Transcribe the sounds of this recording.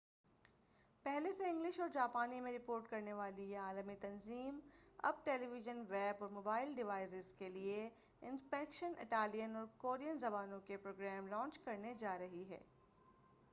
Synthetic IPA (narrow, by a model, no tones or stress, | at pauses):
pɛɦleseɪ̃ŋɡlɪʃɔːɾd͡ʒaːpaːnimẽɾɪpoːɾʈkɐɾneʋaːliaːləmit̪ɐnziːmɐ̰b̚ʈeːliʋɪʒənʋɛːbɔːɾmoːbaːɪlɖɪʋaːɪzɪzkelie | ɪ̃nspɛːkʃənɪ̰ʈaːlijənɔːɾkoːɾijənzɐbaːnõkepɾoːɡɾɛːmlɔ̃ːnt͡ʃkɐɾned͡ʒaːɾɐɦiɦɛ̰ː